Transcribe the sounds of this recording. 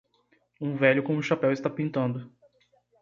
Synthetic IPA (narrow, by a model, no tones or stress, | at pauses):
ũvɛʎʊkõʊ̃ʃapɛwɪst̪apĩnt̪ɐ̃nd̪ʊ